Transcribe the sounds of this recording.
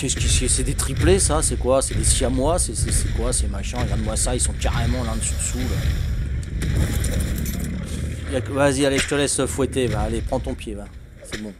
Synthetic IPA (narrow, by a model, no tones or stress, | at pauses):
kʲɛskʲisisɛd̪et̪χiplesasɛkwasɛd̪esjamwasɛsɛsɛkwasɛmaʃɛ̃ɡãd̪mwasaisɔ̃kaʁemɑ̃lɛ̃d̪syʁsula | jakvavazialeʒət̪əlɛsəfwɛt̪ebaːlepχɑ̃d̪t̪ɔ̃pjeba | sɛbɔ̃